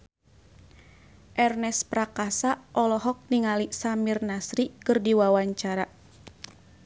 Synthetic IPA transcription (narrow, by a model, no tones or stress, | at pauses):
ʔɛrnɛspɾakasaʔɔlɔɦɔk̚niŋalisamirnasɾikɨrdiwawaɲt͡ʃaɾa